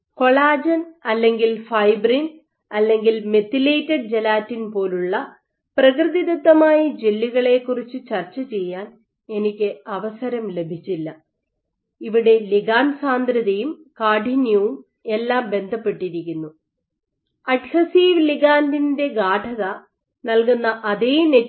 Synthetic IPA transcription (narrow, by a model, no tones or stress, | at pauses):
ko̞ɭaːd͡ʑɐnɐlːe̞ŋɡilfɐjbrin | ɐlːe̞ŋɡilme̞t̪ːilejtːeɖ̚d͡ʑelaːtːinpo̞ːluɭːɐ | prɐkrɨðid̪ɐt̪ːɐmaːjɐd͡ʑelːiɣɐɭe̞ːkːurit͡ɕːɨt͡ɕɐrt͡ɕːɐt͡ɕe̞jːaːn | e̞nikʲːɨɐʋɐsɐɾɐmle̞bʱit͡ɕːilːɐ | iʋiɽe̞liɡaːnsaːnd̪ɾɐðɐjumkaːɖʱinjɐʋum | e̞lːaːmbe̞nd̪ʱɐpːe̞ʈːiɾikʲːunːu | ɐɖhɐsiːʋliɣaːndinde̞ɡaːʈʰɐðɐ | nɐlkunːɐʔɐðejne